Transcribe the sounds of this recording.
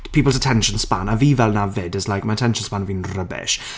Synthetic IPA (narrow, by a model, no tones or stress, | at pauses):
pʰiːpəlˠzətʰɛnʃə̃nspanaviːvɛlˠnavɪdəzlajkmatʰɛnʃə̃nspanviːnrəbɪ̰ʃ